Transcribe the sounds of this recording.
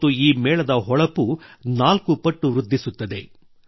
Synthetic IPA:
t̪ːuiːmɛːɭɐd̪ɐɦɔɭɐpunaːlkupɐʈːuʋɾud̪ʱːisut̪ːɐd̪e̞̰

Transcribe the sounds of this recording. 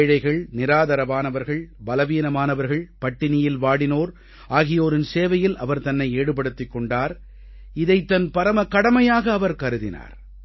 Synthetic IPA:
ɻɐɪɣɐɭnɪɾaːðɐɾɐmaːnɐʋɐɾɣɐɭbɐlɐʋiːnɐmaːnɐʋɐɾɣɐɭpɐʈːɪnɪjɪlʋaːɽɪnoːɾ | aːɣɪjoːɾɪnseːʋɐjɪlʔɐʋɐɾt̪ɐnːɐɪeːɽɯp̬ɐɽɯt̪ːɪkːɔɳɖaːɾ | ɪðɐɪt̪ːɐnpɐɾɐmɐkɐɽɐmɐjaːɣɐːʋɐɾkɐɾɯðɪna̰ːɾ

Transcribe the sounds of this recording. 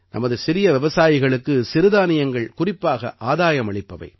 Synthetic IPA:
nʔɐ̰mɐðɯsɪɾɪjɐʋɪʋɐsaːjɪɣɐɭɯkːɯsɪɾɯðaːnɪjɐŋɡɐɭkʊrɪpːaːɣɐ̰ʔaːðaːjɐmɐɭɐɪpːɐʋɐ̰ɪ

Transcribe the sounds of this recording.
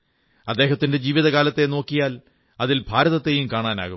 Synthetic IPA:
ɐd̪ːeːɦɐt̪ːinded͡ʑiːʋiðɐɣaːlɐt̪ːe̞no̞ːkːijaːl | ɐðilbʱaːɾɐðɐt̪ːejumkaːɳaːna̰ːɣu

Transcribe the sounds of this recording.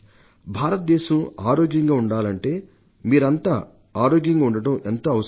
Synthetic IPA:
bʱaːɾɐt̪̚d̪ɛːʃɐmaːɾoːɡjɐŋɡaːuɳɖaːlɐɳʈe̞ː | miːɾɐnt̪aː | aːɾoːɡjɐŋɡaːuɳɖɐʈɐment̪oːɐʋɐs

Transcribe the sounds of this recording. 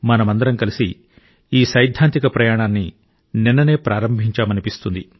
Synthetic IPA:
mɐnɐmɐnd̪ɐɾɐmkɐlisi | iːsɐjd̪ʱːaːnt̪ikɐpɾɐjaːɳaːnːi | ninːɐne̞ːpɾʔaːɾɐmbʱiɲt͡ʃaːmɐnipist̪und̪i

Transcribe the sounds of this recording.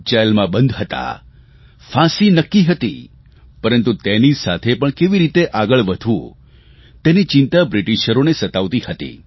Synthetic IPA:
t͡ʃajlmãbənd̪ʱɦət̪a̰ | fʰãsinəkːiɦət̪ḭ | pəɾə̃nt̪ut̪enisa̰t̪ʰepəɳkeʋiɾit̪eʔaɡəɭʋəd̪ʱũ | t̪enit͡ʃɪ̃nt̪abɾiʈiʃəɾonesət̪aʋt̪ihət̪ḭ

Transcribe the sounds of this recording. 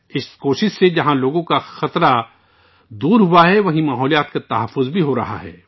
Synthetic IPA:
ɪskoːʃɪʃsed͡ʒɐɦãloːɡõkaxɐt̪ɾa | d̪uːɾɦuaɦɛʋɐɦĩmaːɦɔːlijaːt̪kat̪ɐɦəfːʊzbʱiɦoɾɐ̰ɦa̰ɦɛ̰ː

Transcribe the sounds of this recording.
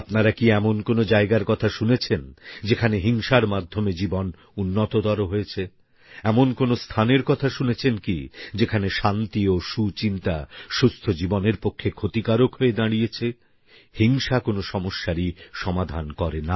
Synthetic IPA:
apnaɾakiɛmonkonod͡ʑaeɡaɾkɔt̪ʰaʃunet͡ɕʰend͡ʑekʰaneɦiŋʃaɾmad̪ʱːomed͡ʑibon | unːot̪od̪ɔɾoɦoet͡ɕʰe | ɛmonkonost̪ʰaneɾkɔt̪ʰaʃunet͡ɕʰenkḭd͡ʑekʰaneʃant̪ioʃut͡ɕint̪a̰ʃust̪ʰod͡ʑiboneɾpokʰːekʰot̪ikaɾokɦoed̪aɽijet͡ɕʰe | hiŋʃakonoʃɔmoʃːaɾiʃɔmad̪ʱankɔɾena

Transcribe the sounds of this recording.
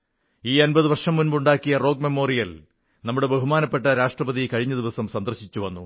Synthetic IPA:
iːɐnbɐðɨʋɐrʂɐmːunbuɳɖaːkːijɐro̞ːɡ̚me̞mo̞ːrijɐl | nɐmːuɽe̞beɦumaːnɐpːeʈːɐɾaːʂʈrɐbɐðikɐɻiɲːɐd̪iʋɐsɐmsɐnd̪ɐrɕit͡ɕːuʋɐnːu

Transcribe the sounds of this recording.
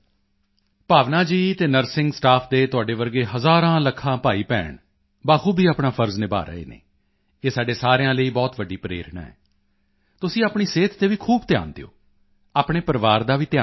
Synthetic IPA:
paːʋnaːd͡ʒiːt̪eːnəɾsɪ̃ŋɡsʈaːpʰd̪eːt̪ʊaːɖeːʋəɾɡeːɦəzaːɾãːləkʰːãːpaːiːpɛ̰ːɳ | baːkʰuːbʱiːaːpɳaːpʰəɾznẽːba̰ːɾə̰ḛːnḛː | eːsaːɖeːsaːɾejãːləiːbɔːt̪ʋəɖiːpəɾḛːɾɪɳã̰ːɛ̰ː | t̪ʊsĩːaːpɳiːseːt̪ʰt̪eːʋiːkʰuːbt̪ja̰ːnd̪ḛːo̰ː | aːpɳeːpəɾəʋaːɾd̪aːʋiːt̪jaː

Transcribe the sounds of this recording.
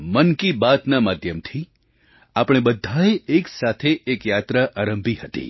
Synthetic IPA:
mənkibat̪namad̪ʱjəmt̪ʰi | apɽ̃ebəd̪ʱaeeksat̪ʰeʔekjat̪ɾaʔaɾəmbʱihət̪ḭ

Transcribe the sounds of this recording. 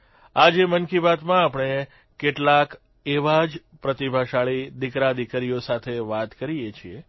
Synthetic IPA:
ad͡ʒemənkibat̪mãapɳ̃e | keʈlak | eʋad͡ʒpɾət̪ibʱaʃaɭid̪ikɾad̪ikəɾijosat̪ʰeʋat̪kəɾijet͡ʃʰie

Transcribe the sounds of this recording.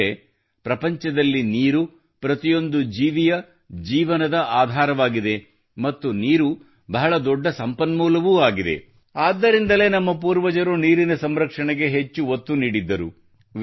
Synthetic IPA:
e | pɾɐpɐɲt͡ʃɐd̪ɐlːiniːɾu | pɾɐt̪ijo̞nd̪ud͡ʒiːʋijɐ | d͡ʒiːʋɐnɐd̪ɐʔaːd̪ʱaːɾɐʋaːɡid̪e̞ | mɐt̪ːuniːɾu | bɐɦɐɭɐd̪ɔɖːɐsɐmpɐnmuːlɐʋuaːɡid̪e̞̰ | aːd̪ːɐɾind̪ɐle̞ːnɐmːɐpuːɾʋɐd͡ʒɐɾuniːɾinɐsɐmɾɐkʂɐɳɛɡe̞ɦet͡ʃːuot̪ːuniːɽid̪ːɐɾṵ

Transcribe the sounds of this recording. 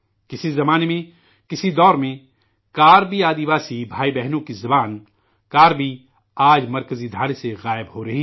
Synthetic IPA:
kɪsizɐmaːnemẽ | kɪsid̪ɔːɾmẽ | kaːɾbiaːd̪iʋaːsibʱaːibɛɦnũkizɐbaːn | kaːɾbi | aːd͡ʒmɐɾkəzid̪ʱaːɽeseɣaːɪbɦoɾɐɦiː

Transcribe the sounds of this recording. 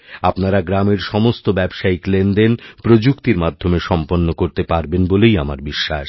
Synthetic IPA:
apnaɾaɡɾameɾʃɔmost̪obɛbʃaiklendenpɾod͡ʑukt̪iɾmad̪ʱːomeʃɔmponːokoɾt̪epaɾbenbolejamaɾbiʃːa̰ʃ

